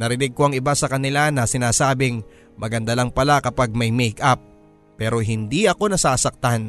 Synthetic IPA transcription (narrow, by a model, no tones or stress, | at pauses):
nɐɾɪnɪɡ̚ko̞ʔɐŋɪbasɐkɐnɪlanɐsɪnaːsaːbɪŋ | mɐɡɐnd̪alɐŋpɐlakɐpaɡ̚mɐjmɛjkʔap̚ː | ɛːɾo̞ɦɪnd̪iʔɐko̞nɐsaːsɐk̚t̪an